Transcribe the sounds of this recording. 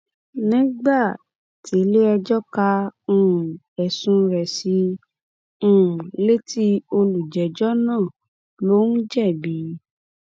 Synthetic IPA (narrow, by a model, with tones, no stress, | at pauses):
nĩ˦ɡ͡ba˦˨ | ti˨˦le˦ɛ˧d͡ʒɔ˦ka˧ũ˧˨ | ɛ˨sũ˧ɾɛ˨si˧˦ | ũ˦˨le˦ti˦o˧lu˨d͡ʒɛ˨d͡ʒɔ˦nãː˦˨ | lo˦n̩˦d͡ʒɛ˦˨bi˨˦